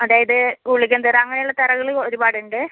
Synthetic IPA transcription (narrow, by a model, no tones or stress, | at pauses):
ɐðaːjɐðɨkuɭikʲːɐnd̪ɨraɐŋːɐnejuɭːɐt̪ɐrɐɣɐɭoɾubaːɽuɳɖɨ